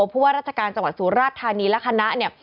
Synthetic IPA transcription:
pʰuː˥˩waː˥˩ɾaː˥˩t͡ɕʰa˧kaː˧nt͡ɕa˧ŋwa˨˩t̪suː˩˦ɾaː˥˩t̪ʰːaː˧niː˧lɛ˦˥kʰa˧na˦˥ʔni˥˩ə

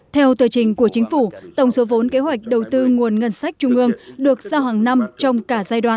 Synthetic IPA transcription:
t̪ʰɛ˧wt̪ɨ˨˩jt͡ɕï˨˩ŋ̟ku˧˩ət͡ɕï˨˦ŋ̟fu˧˩t̪ə˧˩wŋ͡mso˨˦vo˨˦nke˨˦ɦwa˨˩jk̟̚ɗə˨˩wt̪ɨ˧ŋu˨˩ənŋə˧˩nsa˦˥jk̟̚t͡ɕʊ˧ŋ͡mʔɨ˧əŋɗɨ˨˩ək̚z̥aː˧wɦaː˨˩ŋna˧mt͡ɕɔ˧wŋ͡mkaː˧˩zaː˧jɗwaː˧˨n

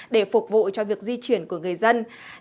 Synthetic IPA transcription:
ɗe˧˩fʊ˨˩k͡p̚vṵ˧˨t͡ɕɔ˧vi˨˩ək̚zi˧t͡ɕwi˧˩ənku˧˩əŋɨ˨˩əjzə˧n

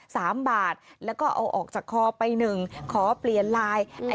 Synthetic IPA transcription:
saː˩˦mbaː˨˩t̪̚lɛ˦˥wkɔː˥˩ʔa̰˧wʔɔ̰ː˨˩k̚t͡ɕaː˨˩kʰːɔː˧pa˧jnɯ˨˩ŋkʰɔː˩˦pli˨˩ənlaː˧jʔa˧

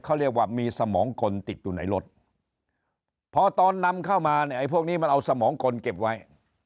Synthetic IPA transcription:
kʰa˥˩ɾi˥˩ək̚waː˥˩miː˧sa˧mɔː˩˦ŋkʰo˧nt̪i˨˩t̪̚juː˨˩na˩˦jlo˦˥t̪̚ | pʰɔː˧t̪ɔː˧nːa˧mkʰa˥˩wmaː˧ni˥˩ʔa˧jpʰu˥˩ək̚niː˦˥˩a˧nʔa˧wsa˧mɔː˩˦ŋkʰo˧nke˨˩p̚wa˦˥j

